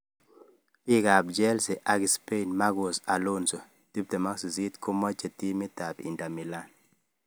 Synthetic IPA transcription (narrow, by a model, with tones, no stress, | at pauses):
pi˦ɡa˨b̚d͡ʒɛ˦lse˨ʔa˦ɡi˨spe˦˨nma˦ɡo˨sa˨lo˦nso˨ | ti˦b̚te˨ma˦ksi˨zi˦tkʰo˦mɔ˦t͡ʃe˨ti˦mɪ˦ta˨pḭ˨nda˨mi˨la˦n